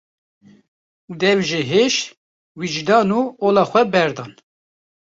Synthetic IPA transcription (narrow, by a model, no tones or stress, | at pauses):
d̪ɛvʒeɦeʃ | wid͡ʒd̪ɑːnuːoːlɑːxʷɛbɛɾd̪ɑːn